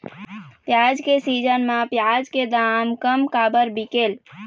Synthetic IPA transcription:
pjad͡ʒkesid͡ʒənmãpjad͡ʒked̪amkəmkabəɾbikel

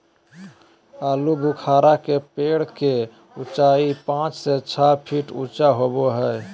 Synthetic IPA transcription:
alubʱukʰaɾakepeɽke | ut͡ʃaipãt͡ʃset͡ʃʰapʰiʈut͡ʃaɦoboɦə

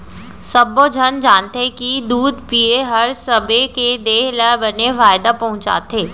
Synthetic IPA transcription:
sɐbod͡ʒʱɐnd͡ʒaːnt̪ekid̪uːd̪pieɦɐɾsɐbeked̪eːɦlabɐneʋaːɪd̪apɐɦʊ̃t͡ʃa̰ːt̪ʰeː

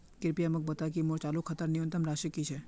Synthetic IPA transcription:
kɪɾpijamək̚bət̪akimot͡ʃalukʰət̪əɾniʋənt̪əmɾaʃəkit͡ʃʰe

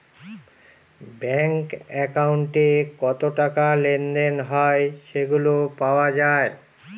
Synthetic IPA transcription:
bɛŋkɛkauɳʈekɔt̪oʈakalend̪enɦɔeʃeɡulopaoad͡ʑae

